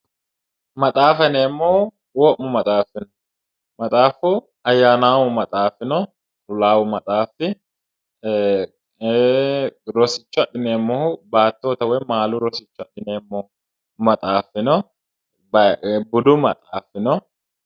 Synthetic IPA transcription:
mɐt̪ʼaːfɛneːmːɔː | wɔʔːʊmɐt̪ʼaːfːɪnɔ | mɐt̪ʼaːfʊ | ɐjːaːnaːwʊmɐt̪ʼaːfːɪnɔ | t̪ʼʊlaːwʊmɐt̪ʼaːfɪ | ɾɔsɪt͡ʃːʊɐɗɪneːmːɔhʊbaːt̪ːoːt̪ɐwɛmaːlʊɾɔsɪt͡ʃːʊɐɗɪneːmːɔː | mɐt̪ʼaːfːɪnɔ | bɐbʊd̪ʊmɐ̰t̪ʼaːfːɪnɔ

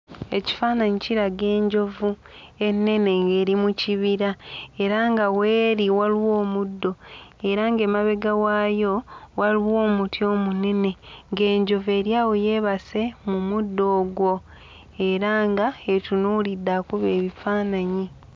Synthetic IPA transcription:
e̞ci̥faːnaɲiciɾaɡe̞ːɲɟo̞vu | e̞nːe̞ne̞ŋɡe̞ːɾimuciβiɾae̞ɾaŋɡawe̞ːɾiwaliwo̞ːmudːo̞e̞ɾaŋɡe̞ːmaβe̞ɡawaːjo̞waliwo̞ːmutjo̞ːmune̞ne̞ŋɡe̞ːɲɟo̞ve̞ːɾjaːwoje̞ːβase̞mumudːo̞ːɡwo̞ | e̞ɾaŋɡaetunuːlidːakuβe̞ːβifaːnaɲi

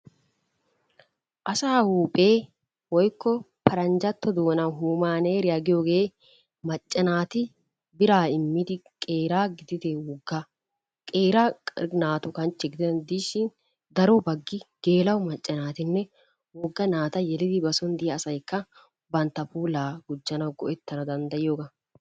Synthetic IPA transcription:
ʔɐsaːhuːpʼe̞ː | wɔjkːɔ | pɐɾɐnd͡ʒɐt̪ːɔd̪o̞ːnɐɦuːmaːneːɾɪjɐɡɪjoːɡe̞ː | mɐt͡ʃʼːɐnaːt̪ɪ | bɪɾaːɪmːɪd̪ɪ | kʼeːɾaːɡɪd̪ɪt̪ewɔɡːa | kʼeːɾanaːt̪ʊkɐnt͡ʃːɛɡɪd̪nd̪iːʃɪn | d̪ɐɾobɐɡːɪɡ̥e̞ːlɐwmɐt͡ʃʼːɐnaːt̪ɪnːɛ | wɔɡːɐnaːt̪ɐjɛlɪd̪ɪbɐsɔnd̪ɪjɐːsɐjkːɐ | bɐnt̪ːɐpuːlaːɡʊd͡ʒːɐnɐwɡɔʔɛt̪ːɐnɐd̪ɐnd̪ɐjɪjoːɡɐ

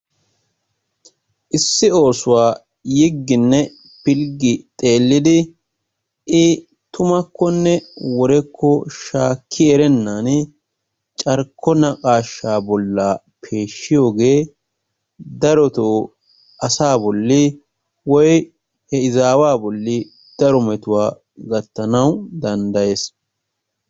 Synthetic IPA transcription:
ʔɪsːɪo̞ːsʊwaː | jɪɡːɪnːɛ | pɪlɡɪt̪ʼe̞ːlːɪd̪ɪ | ʔɪ | t̪ʊmɐkʰːɔnːɛwɔɾɛkʰːɔʃaːkʰːɪɛɾɛnːaːn | t͡ʃʼɐɾkʰːɔnɐkʼaːʃːaːbɔlːaː | pʰe̞ːʃːɪjo̞ːɡe̞ː | d̪ɐɾɔt̪oː | ʔɐsaːbɔlːɪ | wɔj | hɛɪzaːwaːbɔlːɪ | d̪̥ɐɾɔmɛt̪ʊwaː | ɡɐt̪ːɐnɐwd̪ɐnd̪ɐje̞ːs

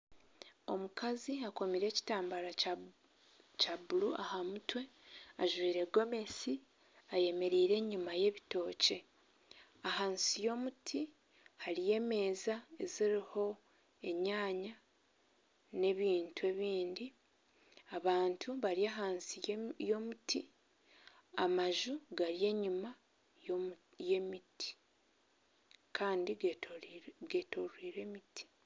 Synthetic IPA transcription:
o̞mukaziako̞miɾe̞ːci̥taːmbaɾa | cabulua̰hamutwe̞ | aʒwiːɾe̞ɡo̞me̞si | aje̞me̞ɾiːɾe̞ɲumaje̞βito̞ːce̞ | ahaːnsijo̞ːmutʰi | haɾije̞ːme̞ːzae̞ziɾiho̞ | e̞ɲaːɲa | ne̞βiːntue̞βiːndi | aβaːntʰuβaɾiaːɦaːnsijo̞mutʰi | amaʒuɡaɾije̞ːɲuma | jemiti̥ | kʰaːndi | ɡetoɾwiːɾe̞mitʰi̥

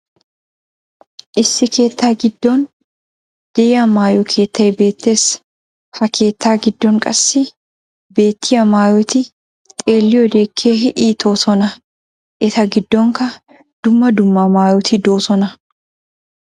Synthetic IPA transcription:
ʔɪsːɪkʰe̞ːt̪ːaːɡɪd̪ːoːn | d̪̥ɛjɐmaːjɔkʰe̞ːt̪ʰːɐjbe̞ːt̪ːe̞ːs | hɐkʰe̞ːt̪ːaːɡɪd̪ːɔŋkʼɐsːɪ | be̞ːt̪ʰːɪjɐmaːjɔt̪ɪ | t̪ʼeːlːɪjɔd̪e̞ːkʰːeːɦɪʔiːt̪ʰoːsɔnɐ | ʔɪt̪ɐɡɪd̪ːɔːŋkɐ | d̪̥ʊmːɐd̪ʊmːaːmaːjɔt̪ʰɪd̪oːsɔnɐ

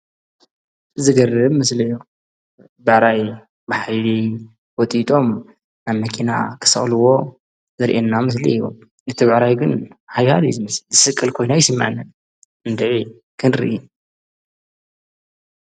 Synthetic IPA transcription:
zɨɡɐrːɨβmɨslɐjo | bɨʕɾaj | bɨħajli | wɔt̪ʼit̪ʼo̞m | naβmɐkʰina̰kʰɨ̥sɨ̰xʼlɨwo̞ | zɨɾʔenːamɨs̬lḭiβo̰m | ɨt̪ʰiβʕɾajɡɨnhajha̰lizɨmɐszɨsɨkʼːɐlkʰo̞jnajɪsɨmːaʕnːɨn | ɨnd̪ɨʕi | kʰɨnɾɨ̰ʔi

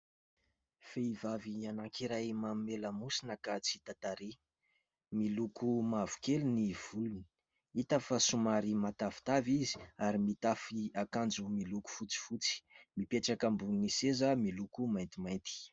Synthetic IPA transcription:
feivavianaŋkʰiɾajmamimeləmusinəkat͡sit̪at̪aɾi | milukʰumavu̥keluniv̥uluni̥ | it̪əfəsumaɾimat̪afi̥t̪avizi̥aɾimit̪afiakand͡zumiluku̥fut͡si̥fut͡si̥mipeʈ͡ʂakəmbunisezəmilukumajnt̪imajnt̪i̥

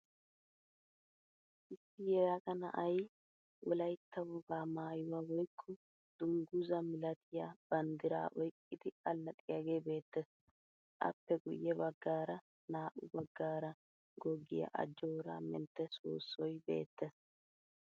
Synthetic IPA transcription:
ʔɪsːɪjɛɾɐkɐnɐ̰ʔɐj | wɔlɐjt̪ːɐwɔɡaːmaːjʊwawɔjkʰːɔ | d̪̥ʊŋɡʊzɐmɪlɐt̪ʰɪjab̥ɐnd̪ɪɾa̰ːʔɔjkʼːɪd̪ɪɐlːɐt̪ʼɪjɐɡeːbe̞ːt̪ːɛs | ʔɐ̰pːɛɡʊ̰jːɛbɐɡːaːɾɐ | naːʔʊbɐɡːaːɾɐ | ɡɔɡːɪ̰jɐ̰ʔɐ̰d͡ʒːoːɾa̰ːmɛ̰nt̪ːɛso̰ːsːɔjbe̞̰ːt̪ːɛs

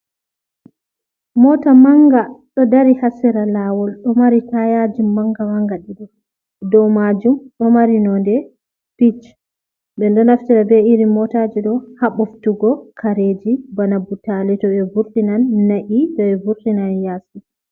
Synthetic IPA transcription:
mɔtamaŋɡaɗɔdaɾihasɛɾalaːwɔlɗɔmaɾitajad͡ʒimːaŋɡamaŋɡaɗiɗɛ | dɔwmad͡ʒumɗɔmaɾinɔndɛ | pit͡ʃ | ɓɛndɔnaftiɾabɛiɾimɔtad͡ʒiɗɔhaɓɔftuɡɔkʰaɾed͡ʒibanabutalɛtɔbɛvuɾtinanːaʔitɔɛvuɾtinanjaːsi

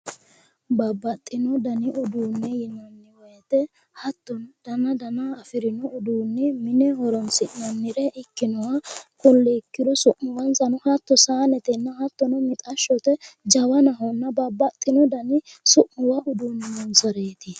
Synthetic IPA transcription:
bɐbːɐt̪ʼːɪnɔd̪ɐnɪʔʊd̪uːnːɛjɪnːɐnːɪwɔjɛt̪ɛ | hɐt̪ːɔnd̪̥ɐnɐd̪ɐnɐːfɪɾɪnɔʊd̪uːnːɛmɪnɛɦɔɾɔnsɪʔnɐnːɪɾɛʔɪkːɪnɔwɐkʊlːɛkːɪd̪ɔsʊʔːʊwɐnsɐnʊhɐt̪ːɔsaːnɛt̪ɛnːɐhɐt̪ːɔnɔmɪt̪ʼɐʃːɔt̪ɛd͡ʒɐwɐnɐɦɔnːɐbɐbːɐt̪ʼːɪnɔd̪ɐnɪsʊʔmʊwɐʊd̪uːnːɪnɔnsɐɾeːt̪ɪ

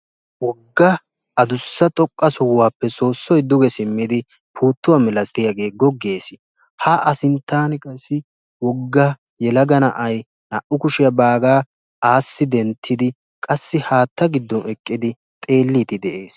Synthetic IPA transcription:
wɔɡːɐ | ɐd̪ʊsːɐt̪ʼɔkʼːɐsɔwwaːpːɛso̞ːsːɔjd̪ʊɡɛsɪmːɪd̪ɪ | pʰuːt̪ːʊwamɪlɐst̪ɪjɐɡe̞ːɡɔɡe̞ːsɪ | haʔɐsɪnt̪ːaːnɛkʼɐsːɪ | wɔɡːɐ | jɛlɐɡɐnɐ̰ʔɐj | nɐʔʊkʊʃɪjɐbaːɡaː | ʔaːsːɪd̪ɛnt̪ʰːɪd̪ɪ | kʼɐsːɪhaːt̪ːɐɡɪd̪ːɔnɛkʼːɪd̪ɪ | t̪ʼe̞ːlːiːt̪ɪd̪ɛʔe̞ːs

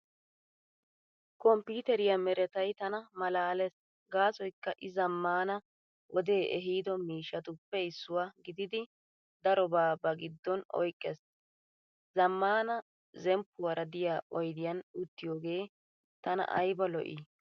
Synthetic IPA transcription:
kɔmpiːt̪ɛɾɪjɐmɛɾɛt̪ɐjt̪ɐnɐmɐlaːlɛs | ɡaːsɔjkːɐʔɪzɐmːaːnɐ | ʔɔd̪e̞ːʔɛɦiːd̪ɔmiːʃɐt̪ʊpːɛɪsːʊwaːɡɪd̪ɪd̪ɪ | d̪ɐɾɔbaːbɐɡɪd̪ːɔnɔ̰jkʼːɛs | zɐmːaːnɐ | zɛmpːʊwɐɾɐd̪ɪjaːɔjd̪ɪjɐnʊt̪ːɪjoːɡe̞ː | t̪ɐnɐ̰ʔɐ̰jbɐlɔʔḭ

